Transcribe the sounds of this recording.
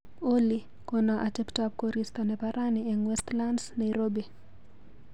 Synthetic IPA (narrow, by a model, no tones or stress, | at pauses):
oli | kɔnaʔatɛptap̚koɾist̪anɛpaɾʔaniɛŋwɛst̪landsnajɾobi